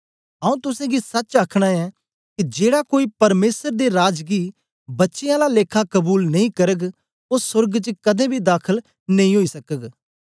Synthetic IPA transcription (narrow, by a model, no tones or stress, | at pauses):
ɐũt̪ʊsẽɡisɐt͡ʃaːkʰɽ̃aɛ | kid͡ʒeːɽakoːipɐɾmeːsəɾd̪eɾaːd͡ʒɡi | bɐtːʃɪjãlaleːkʰakɐbuːlnɐĩkɐɾəɡ | osʊɾɡt͡ʃəkɐd̪ẽbʱid̪aːkʰəl | nɐ̃ĩɦoːisɐkəɡ